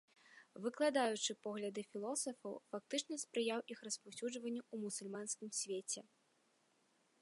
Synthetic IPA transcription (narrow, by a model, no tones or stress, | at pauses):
vɨklˠad̪ajut͡ʂɨpɔɣlʲɐd̪ɨfʲilˠɔsɐfɐwfak̚t̪ɨt͡ʂnɐspɾɨjawʔixrɐspawsʲuʐvɐnʲːuumusulʲmanskʲimsʲvʲet͡sʲɛ